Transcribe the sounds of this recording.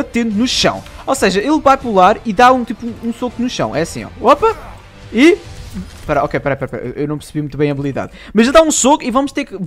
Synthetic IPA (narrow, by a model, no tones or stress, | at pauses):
ɐt̪ẽnd̪unuʃɐ̰̃w̃oseʒɐelˠvajpulˠaɾiðaũt̪ipuũũsokunuʃɐ̰̃w̃ʔɛɐsḭ̃ɔ̰opɐ | i | pɐɾaɔkejpɐɾapaɾpa̰ɾ̰ʔewnɐ̃w̃pɨɾsβimũt̪βɐ̃j̃ɐβlˠiða̰ð | mɐʒelˠd̪aũsokuivɐmuʃt̪eɾk